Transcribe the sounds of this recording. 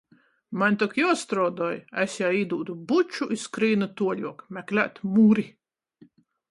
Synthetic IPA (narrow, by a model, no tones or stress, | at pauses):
manʲt̪ɔkjɔɔst̪ɾɔːd̪ɔːjɛsjaid̪uːd̪ubut͡ʃuʔiskɾiːnat̪uɔlʲuɔkmʲæklʲæ̰t̪ʲmuːɾi